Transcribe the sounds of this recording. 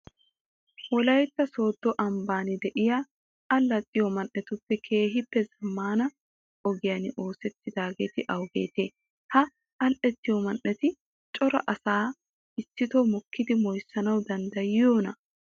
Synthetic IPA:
wɔlɐjt̪ːɐso̞ːd̪ːɔʔɐmbaːnɪd̪ɛʔɪja | ɐlːɐt̪ʼːɪjɔmɐnʔːɛt̪ʊpːɛkʰe̞ːɦɪpːɛzɐmːaːnɐ | ʔɔɡɪjɐnɪʔo̞ːsɛt̪ːɪd̪aːɡeːt̪ɪʔɐwɡe̞̰ːt̪eː | hɐ | ɐlʔɛt̪ːɪjɔmɐnʔɛt̪ɪ | t͡ʃʼɔɾɐ̰ʔɐsaː | ɪsːɪt̪omɔkːɪd̪ɪmɔjsːɐnɐwd̪ɐnd̪ɐjjoːnɐ

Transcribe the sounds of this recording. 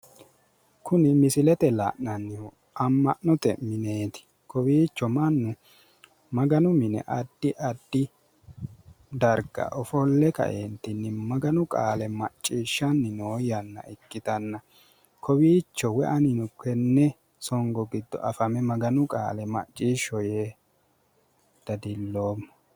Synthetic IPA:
kʊnɪmɪsɪlɛt̪ɛla̰ːʔnɐnːɪɔ | ɐmːɐʔnɔt̪ɛ̰mɪne̞ːt̪ɪ̥ | kɔwiːt͡ʃːɔmɐnːʊ | mɐɡɐnʊmɪnɛ̰ʔɐd̪̥ːɪʔɐd̪ːɪ | d̪ɐɾɡɐ̰ʔɔfɔlːɛkɐ̰ʔent̪ːɪnːɪmɐɡɐnʊkʼaːlɛmɐt͡ʃʼːiːʃːɐnːɪnoːjɐnːɐ̰ɪkːɪt̪ɐnːɐ | kʰɔbiːt͡ʃːɔwɛʔɐnɪnʊkːɛnːɛ | sɔŋɡɔɡɪd̪ːɔ̰ʔɐfɐmɛmɐɡɐnʊkʼa̰ːlɛmɐ̰t͡ʃʼːiːʃɔjeː | d̪̥ɐd̪ɪlːoːmː

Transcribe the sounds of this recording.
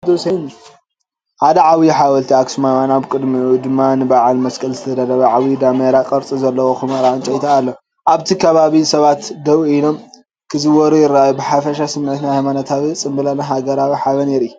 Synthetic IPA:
d̪osɐjn | ħad̪ɐʕawiħawɐlt̪ʰiaksumamanaβkʼɨd̪miud̪ɨmːanɨbaʕalmɐskʼɐlzɨt̪ʰɐd̪aɾɐβɐʕawid̪ameɾakʼɐɾt͡sʼizɐlːɐwoxɨmɐɾaɨnt͡ʃʼɐjt̪ʰaːlːo | ʔaβt̪ʰikʰɐβaβisɐβat̪d̪ɐwilo̞m | kʰɨzɨwɔɾujɪɾːajubɨħafɐʃasɨmːʕɨt̪nahajmanat̪ʰaβit͡sʼɨmbɨlanaɦaɡɐɾaβiħaβɐneɾiju

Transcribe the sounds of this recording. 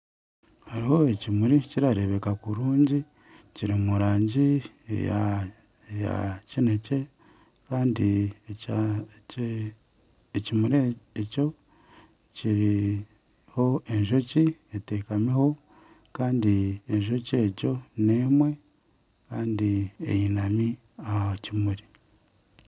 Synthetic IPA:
haɾiho̞ecimuɾiciɾaɾe̞βekakuɾuːɲɟi | ciɾimuɾaːɲɟi | ḛa̰ | ja̰cine̞ce̞ | kaːndi | ecimuɾeeco̞ | ciɾi | ho̞eɲʒo̞cietekameho̞ | kaːndieɲʒo̞ce̞ːco̞neːmwe̞ | kaːndiḛjinami | acimuɾi

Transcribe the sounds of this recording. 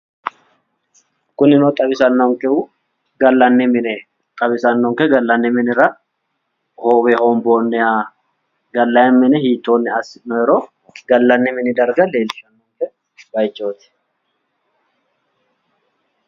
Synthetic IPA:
kʊnːɪnot̪ʼɐβɪsɐnːɔŋkɛʊ | ɡɐlːɐnːɪmɪnɛ | t̪ʼɐβɪsɐnːɔŋkɛɡɐlːɐnːɪmɪnɪɾɐ | hoːbɛhoːmboːnːɛjaː | ɡɐlːɐjɛmmɪnɛhiːt̪ːoːnːɪɐsɪnɔjɛɾoː | ɡɐlːɐnːɪmɪnɪd̪ɐɾɡɐle̞ːlɪʃɐnːoŋkɛ | bɐjd͡ʒoːt̪ɪ̥

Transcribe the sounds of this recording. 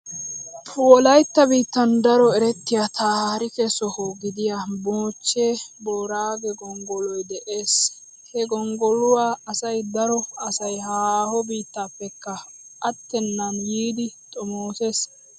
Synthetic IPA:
pʰːɔlɐjt̪ːɐbiːt̪ːɐnd̪ɐɾɔɛɾɛt̪ːɪjat̪ʰaːhhɐɾɪkɛsɔhoɡɪd̪ɪjaboːt͡ʃːeːboːɾaːɡɛɡɔŋɡɔlɔjd̪ɛʔe̞ːs | hɛɡɔŋɡɔlʊwaːɐsɐjd̪ɐɾɔɐsɐjhaːhɔbiːt̪ːaːpːɛkːɐʔɐt̪ːɛnːɐnjiːd̪ɪt̪ʼɔmoːseːs

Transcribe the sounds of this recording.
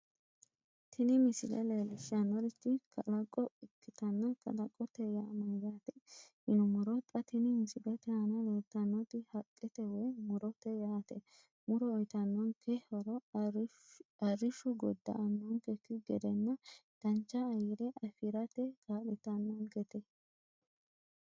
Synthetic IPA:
t̪ʰɪnɪmɪsɪ̰lɛ̰leːlɪʃɪanːɔɾɪt̪ːɪkʰɐlɐkʼːɔɪkːɪt̪ɐnːɐkʰɐ̰lɐkʼːɔt̪ːɛjaːmɐzat̪ɛ̥hɪnʊmɔɾɔt̪ʼɐt̪ɪnɪmɪsɪlɛt̪ɛhɐnɐleːt̪ːɐnːɔt̪ɪhɐkʼːɛt̪ɛwɔjmɔɾɔt̪ːɛjaːt̪ɛ | mʊɾɔːjt̪ɐnːɔnkɛɔɾɔ | ɐrɪʃʊɡɔd̪ːɐ̰ʔɐnːɔnkɛkːɪɡɛd̪ɛnːɐd̪̥ɐnt͡ʃːɐːjɪɾɛʔɐfɪɾɐt̪ɛkʰaːlɪt̪ɐnːɔnɡɛt̪ɛ

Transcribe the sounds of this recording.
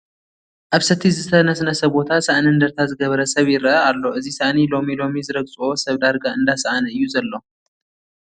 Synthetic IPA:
ʔaβsɐt̪ʰizɨt̪ʰɐnɐsnɐsɐbo̞t̪ʰasaʔniɨnd̪ɐɾt̪ʰazɨɡɐβɐɾɐsɐβjɪɾʔɐalːo̞ɨzisaʔnilo̞milo̞mizɨɾɐɡzʼo̞sɐβd̪aɾɡaɨnd̪asɐʔanɐɨjːuzɐlːo̞

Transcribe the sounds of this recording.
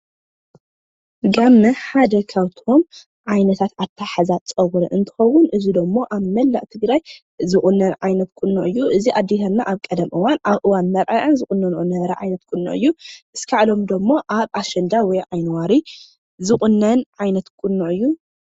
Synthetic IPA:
ɡamːɐħad̪ɐkʰawt̪ʰom | ʕajnɐt̪ʰat̪at̪ʰːaħazat͡sʼɐwɾɐʔɨnt̪ʰɨ̥xɐwʊnʔɨzid̪omːo̞ʔaβmɐlːa̰ʔʼt̪ʰɨɡɾaj | zɨχʼunːɐnʕajnɐt̪̚kʼʊnːuʔɨjːuʔɨziʔad̪ːihɐlnaʔaβkʼɐd̪ɐmʔɨwanʔaβʔɨwanmɐɾʔɐʔɨnzɨχʼʊnːɐnʔonːɐβɐɾɐʕajnɐt̪̚kʼʊnːṵʔɨ̰jːuʔɨskʰaʕlo̞md̪omːoʔaβʔaʃɐnd̪awɔjʕajnwaɾi | zɨχʼʊnːɐnʕajnɐt̪kʼʊnːuʕʔɨjːu

